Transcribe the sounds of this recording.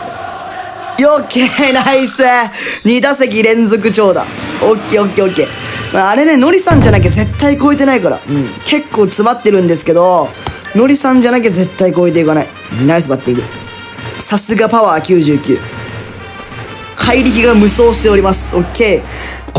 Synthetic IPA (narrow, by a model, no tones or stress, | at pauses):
jokʰʲːenaiseɲ̟id̪asek̬ʲiɾẽ̞nzo̞k̬ɯ̟t͡ɕo̞ːd̪a̰okʲːe̞ːokʲːeokʲːe̞ːmaːɾe̞ne̞no̞ɾʲisãɲ̟d͡ʑanak̬ʲeze̞t̪ːaiko̞ːet̪e̞naikaɾa̰ɯ̟̃ɴkʰe̞kːoːt͡sɨmat̪ːe̞ɾɯ̟̃nd̪esɨ̥ke̞d̪o̞ | no̞ɾʲisãɲ̟d͡ʑanak̬ʲeze̞t̪ːaiko̞et̪̬eikanai | nais̬ebat̪ːiɡɯ̟ | sasɨɡapaβaːkʲɨːʑɨːkʲɨ̰ː | kʰaiɾʲikʲiɡamɯ̟so̞ːɕi̥t̪e̞o̞ɾʲimasɨ̥okʰʲːe̞